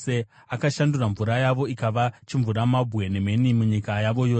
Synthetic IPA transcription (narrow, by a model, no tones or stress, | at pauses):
e | akaʃanduraɱvuɾajaʋo̞ikaʋat͡ʃiɱvuɾamabʱwe̞ne̞me̞nimuɲikajaʋo̞jo̞ːs